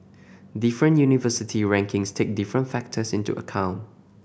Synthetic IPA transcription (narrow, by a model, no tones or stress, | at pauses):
dɪfɹə̃njunivəsɪtʰiɹɛ̃ŋkʰɪ̃ŋstʰek̚dɪfɹə̃ntfɛk̚tʰəsɪ̃ntṵʔə̰kʰãʊ̃nt